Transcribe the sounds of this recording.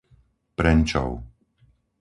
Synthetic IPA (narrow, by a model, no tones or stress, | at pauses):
pɾɛnt͡ʃɔ̰ʊ